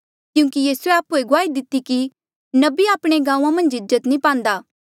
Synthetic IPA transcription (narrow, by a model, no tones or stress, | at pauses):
kjũːkijiːsueaːpueɡʊaːid̪ɪt̪ːiki | nɐbiaːpɽ̃eɡãːũãmɐ̃nd͡ʒɪzːət̪nĩpãːnd̪aː